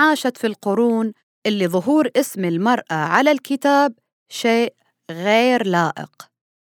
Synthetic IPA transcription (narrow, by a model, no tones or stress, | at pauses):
ʕaːʃat̪filqʊɾuːn | ʔɪlːiðˤʊɦuːɾʔɪsmɪlmɑɾˤʔaʕalalkɪt̪aːb̚ | ʃeːʔ | ɣeːɾlaːʔɪ̰q